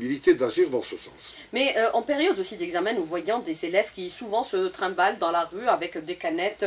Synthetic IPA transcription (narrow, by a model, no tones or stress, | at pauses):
bilit̪ed̪aʒiʁd̪ɑ̃səsɑ̰̃s | mɛʔɑ̃peʁjɔd̪osid̪ɛɡzamɛ̃nuvwajɔ̃d̪ezelɛvkʲisuvɑ̃sət̪χɛ̃bald̪ɑ̃laʁyavɛkd̪ekanɛt̪